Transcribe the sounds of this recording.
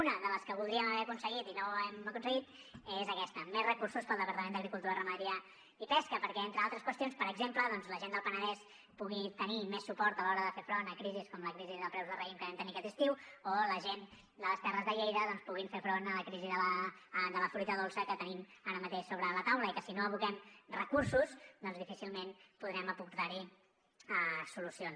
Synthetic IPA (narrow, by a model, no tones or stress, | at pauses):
unəðələskəβulˠd̪ɾiəməβɛɾəkunsəɣit̪inoɛməkunsəɣ̞it̪ezəkɛst̪əmezrəkursuspəlˠd̪əpəɾt̪əmend̪əɣɾikulˠt̪uɾərəməðɾia | ipɛskəpəɾkɛent̪ɾəalˠt̪ɾəskwəst̪ionspəɾəɡzempləðɔnzləʒend̪əlˠpənəðɛs | puɣit̪ənimɛsːupɔɾt̪əlɔɾəðəfefɾonəkɾiziskɔmləkɾiziðəlˠpɾɛwzðəlrəimkəβɛmt̪əniəkɛt̪ist̪iwoləʒen | d̪ələst̪ɛrəzðəʎejðəðɔnspuɣiɱfefɾonələkɾiziðəəd̪ələfɾuit̪əðolˠsəkət̪ənimaɾəmət̪eʃsoβɾələt̪awləikəsinoəβukɛmrəkuɾsusd̪ɔnzðifisilˠmenpuðɾɛməpuɾt̪aɾi | əsulusions